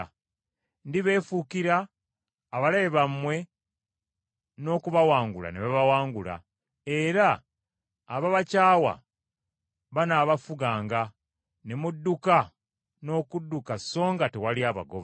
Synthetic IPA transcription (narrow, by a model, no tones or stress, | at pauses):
ndiβe̞ːfukiɾaː | βalajeβamwe̞ | no̞ːkuβawaːŋɡula̰neβaβawaːŋɡula̰ | e̞ɾaː | βaβacaːwa̰ | βanaβafuɡaːŋɡa | nemudːuka | no̞ːkudːukaso̞ːŋɡatewaliaβa̰ɡo̰βa